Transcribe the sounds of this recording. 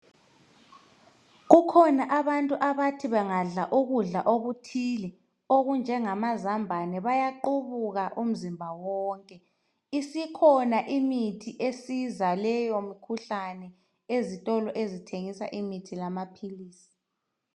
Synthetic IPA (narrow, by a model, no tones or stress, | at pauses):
ɣukʰɔnaʔaβantʼuʔaβatʰiβɛŋaɮaʔuɣuɮaʔoɣutʰilɛ | oɣund͡ʒʱɛŋamazambʱanɛβajaǃuβuɣaʔum̩zimbʱawɔːŋkʼɛ | isikʰɔnaʔimitʰiʔesizalɛjomikʰuɬanɛ | ezitʼɔlɔʔezitʰeŋisa̰ʔimitʰilamapʰiliːsi̥